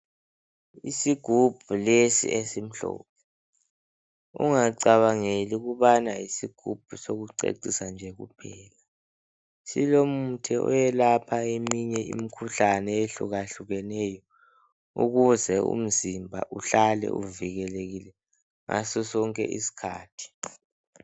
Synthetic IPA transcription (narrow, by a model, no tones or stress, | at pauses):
isiɡ̥ʱub̥̚ʱulesḭʔesim̩ɬɔ̰ːp̚ʰɛ | ṵŋaǀaβaŋeliɣuβanaisiɡ̥ʱub̥̚ʱusoɣuǀḛǀisand͡ʒʱɛɣṵpʰɛːla | silomutʰɛʔɔ̰jɛlapʰaemiɲɛḭmikʰuɬanɛeɬṵɣaɬuɣɛnɛjɔ | ṵɣuzɛṵm̩zimbʱa̰ʔuɬalɛ̰ʔṵviɣɛleɣilɛ | ŋa̰sɔsɔŋkʼɛ̰ʔḭsi̥kʰa̰ːtʰi̥